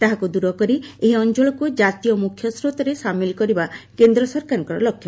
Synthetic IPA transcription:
t̪aɦakud̪uɾɔkɔɾieɦiɔnt͡ʃoɭɔkud͡ʒat̪ijɔmukʰːjɔsɾot̪ɔɾesamilkɔɾibakend̪ɾɔsɔɾkaɾɔŋkɔɾɔ̰lɔkʰːjɔ

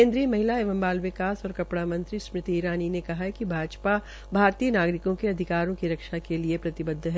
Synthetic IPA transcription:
kẽːnd̪ɾijəmɐɦɪlaeːʋə̃mbaːlʋɪkaːsɔːɾkɐpɽamɐ̃nt̪ɾismɾɪt̪iːɾaːninekɐɦaɦkibʱaːd͡ʒpa | bʱaːɾt̪iːənaːɡɾɪkõkeɐd̪ʱɪkaːɾõkiɾɐkʃakeliepɾɐt̪ɪbəd̪ʱːɦɛ

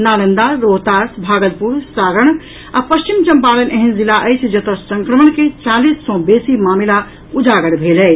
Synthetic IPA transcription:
naːlənd̪aɾoɦt̪asbʱaːɡəl̚puɾsaːɾəɳ̃ | apəst͡ʃimt͡ʃəmpaːlənʔeɦind͡ʒilaʔəjt͡ʃʰd͡ʒət̪ɔsəŋkɾəməɳket͡ʃaːlisːɔ̃besimaːmila | ud͡ʒaɡəɽbʱelɛ

